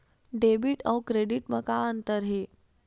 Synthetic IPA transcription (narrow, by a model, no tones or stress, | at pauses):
ɖebiʈəwkɾeɖiʈməkaənt̪əɾɦe